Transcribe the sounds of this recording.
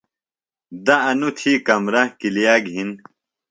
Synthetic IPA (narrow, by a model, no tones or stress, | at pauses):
d̪ɐɐnut̪ʰiːkɐmɾɐhkilijaːɡɦin